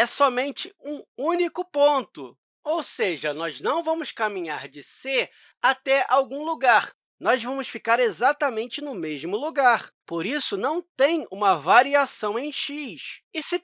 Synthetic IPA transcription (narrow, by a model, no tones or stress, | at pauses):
ɛsɔmẽnt͡ʃɪũũnikʊpõnt̪ʊ̰ | owseʒɐnɔznɐ̃w̃vɐ̃mʊskamĩɲaɾd͡ʒɪse | at̪ɛawɡũluɡaɾ | nɔzvɐ̃mʊsfikaɾezat̪ɐmẽnt͡ʃɪnʊmeʒmʊluɡaɾpoɾisʊnɐ̃w̃t̪ẽj̃ũmɐvaɾiasɐ̃w̃ẽj̃ʃiʃɪsɪ